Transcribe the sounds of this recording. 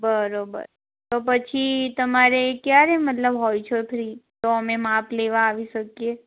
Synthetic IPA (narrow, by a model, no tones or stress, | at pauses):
bəɾobə̰ɾ | t̪opət͡ʃʰit̪əmaɾekjaɾemət̪ləbɦojt͡ʃʰoepʰɾit̪oəmemapleʋaːʋiʃəkje